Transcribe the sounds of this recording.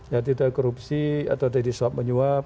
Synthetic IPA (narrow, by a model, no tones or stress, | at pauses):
jat̪idakoɾupsia̰t̪awdadisap̚məɲuap